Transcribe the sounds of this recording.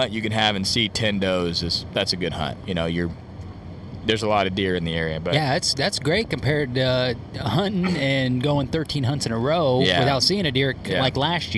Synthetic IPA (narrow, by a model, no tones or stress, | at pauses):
ʌ̃nt͡ʃɨkɨ̃nɨvɨ̃nsitʰɛ̃ndoʊzɨz̥ðætsɨɡʊd̚hʌ̰̃nt̚jɨñoʊjə˞ | ðə˞zəlɔɾʌdɪɹɨ̃nðiɛɹiɨbʌjæðætsðætsɡ̥ɹeɪt̚kɨ̃m̩pʰɛɹdʌ | hʌ̃nʔnɨ̃nɡoʊɪ̃ŋθɜ˞tʰĩnɦʌ̃ntsɨ̃nəɹoʊjæwɨθaʊtsiɪ̃ŋɨdɪɹlaɪklæʃ